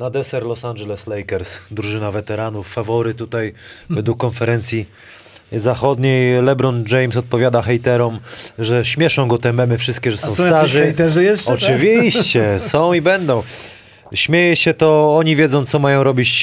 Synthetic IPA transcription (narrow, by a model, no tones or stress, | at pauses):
nad̪ɛsɛɾlɔsanʐɛlɛslɛjkɛɾsd̪ɾuʐɘnavɛt̪ɛɾanufːavɔɾɘt̪ːut̪ajvɛd̪ukːɔnfɛɾɛnt̪sʲi | zaxɔd̪ɲejlɛbɾɔnd͡ʐɛjmsɔt̪̚pɔvʲjad̪axɛjt̪ɛɾɔmʐɛɕmʲjɛʂɔ̃w̃ɡɔt̪ɛmɛmɘfʂɘst̪̚kʲɛʐɛsɔ̃w̃st̪aʐɛt̪ɛʐjɛɔt͡ʂɨvʲiɕt͡ɕɛsɔ̃w̃ibɛnd̪ɔ̃w̃ | ɕmʲjejɛɕɛt̪ɔɔɲivʲjɛd̪zɔ̃w̃t̪sɔmajɔ̃w̃ɾɔbʲit͡ɕ